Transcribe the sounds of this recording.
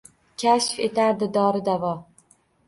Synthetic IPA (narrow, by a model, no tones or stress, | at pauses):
kʲʰaʃfe̞t̪ʰaɾd̪ɪd̪ɒɾɪd̪avɒ